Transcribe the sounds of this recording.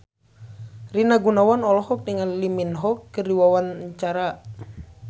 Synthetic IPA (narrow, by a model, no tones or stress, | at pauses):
rinaɡunawanɔlɔɦɔk̚diŋalliminɦɔkːəriwawanɲt͡ʃaɾa